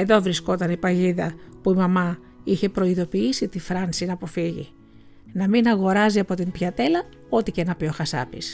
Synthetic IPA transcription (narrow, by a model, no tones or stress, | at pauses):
e̞ðo̞vɾisko̞t̪ɐnipɐʝiðɐpuimɐmɐ | içe̞pɾo̞iðo̞piisit̪ifɾɐnsinɐpo̞fiʝḭ | nɐminɐɣo̞ɾɐziɐpo̞t̪impçɐt̪e̞lɐ | o̞t̪icenɐpjo̞xɐsɐ̰pḭs